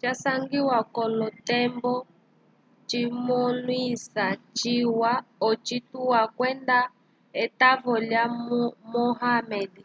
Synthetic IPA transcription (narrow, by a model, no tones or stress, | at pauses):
t͡ʃasaŋɡiwakɔlɔtɛmbɔ | t͡ʃimɔlwisat͡ʃiwa | ɔt͡ʃituwakwɛnda | ɛtavɔljamumɔɦamɛdi